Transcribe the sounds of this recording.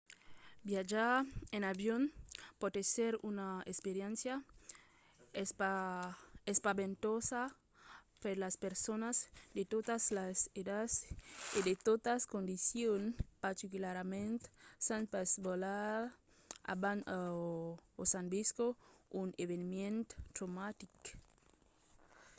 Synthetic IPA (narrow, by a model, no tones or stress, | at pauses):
bjad͡ʒaɾenaβjonpot̪eseɾunaespeɾjẽnsja | espa | espaβent̪osa | peɾlaspeɾsonazd̪et̪ot̪aslased̪asid̪et̪ot̪askond̪isjonpaɾt̪ikulaɾamẽnt̪sanpasbolaɾ | a̰bana | osanbiskouneβenimjẽnt̪t̪ɾomat̪ik